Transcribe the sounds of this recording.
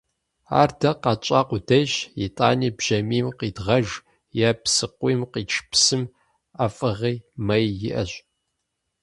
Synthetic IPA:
a̰ːrdɐqɑt͡ʃʼaːqʷʊdɐʒjɪ̰tʼaːniːbʒ̥ɐmiːmqiːdʁɐʒ | jaːpsɨqʷiːmqiːt͡ʃʰpsɨm | afʼɨʁiːmɐjjɪʔɐ̰ɕ

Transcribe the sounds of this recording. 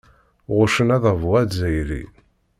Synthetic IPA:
ʁʊʃənæðəvuæd̪zæjɾḭ

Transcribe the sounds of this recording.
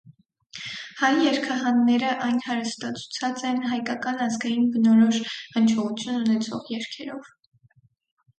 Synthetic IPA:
hɑjːɛɾkʰɑɦɑnːɛɾəʔɑjnhɑɾəst̪ɑt͡sʰu̥t͡sʰɑt͡sɛnɦɑjkɑkɑnɑzɡɑjinbənɔɾɔʃənt͡ʃʰɔʁut͡sʰjununɛt͡sʰɔ̰ʁjɛɾkʰɛɾɔv

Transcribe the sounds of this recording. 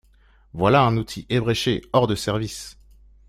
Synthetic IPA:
vwalaɛ̃nut̪ʰiʔebʁeʃeɔʁd̪əsɛʁvis

